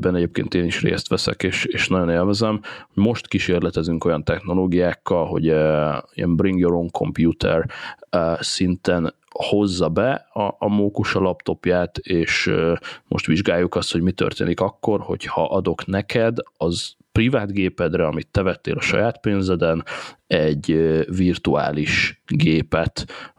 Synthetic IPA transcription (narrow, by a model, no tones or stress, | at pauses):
bɛnɛɟeːp̚kḛːnt̪eːniʃrḛːst̪ʋɛsɛ̰keːʃeːʃnɒɟo̞neːlvɛzɛmhoɟmo̞ʃt̪kiʃeːrlɛt̪ɛzyŋko̞jɒnt̪ɛxno̞loːɡijaːkːɒlɦo̞̰ɟiɛ̰mbriŋɡjoɾoŋkʰo̞̰mpjuːt̪ʰɛ̰r | sint̪ɛn | ho̞zːɒbɛɒːmoːkuʃɒlɒpt̪o̞pjaːt̪eːʃmo̞̰ʃt̪ʋiʒɡaːjːukɒst̪ho̞ɟmit̪ø̰rt̪ḛːnikɒkːo̞rho̞̰chɒʔɒd̪o̞knɛkʰɛd̪ɒz | privaːd̪ɡeːpɛd̪rɛɒmit̪ːɛvɛt̪ːḛːlɒʃɒ̰jaːt̪peːnzɛd̪ɛnɛɟvirt̪ua̰ːliʃɡeːpɛt̪